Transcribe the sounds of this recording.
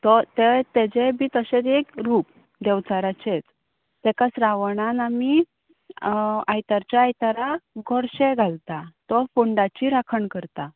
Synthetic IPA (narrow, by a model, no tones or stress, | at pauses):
t̪ɔt̪et̪ed͡ʑebʱiːt̪əɕet͡sekɾuːp | d̪ɛʋt͡saɾat͡ɕet͡s | t̪ɛkat͡sɾaʋəɳanami | ajt̪aɾt͡ɕjaːjt̪aɾaɡʱɔɾɕeɡʱalt̪at̪ɔfoɳɖat͡ɕiɾakʰəɳkəɾt̪a